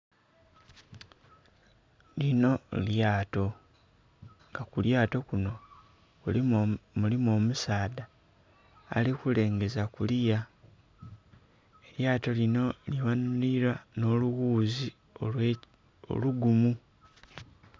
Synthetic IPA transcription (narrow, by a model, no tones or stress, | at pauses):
lino̞ljaːto̞ | ŋɡakuljaːto̞kuno̞ | mulimo̞ːmusaːda̰ː | likule̞ːŋɡe̞zakulija | eljaːto̞lino̞liβanuiɾwano̞ːluɣuːzi | o | o̰luɡumu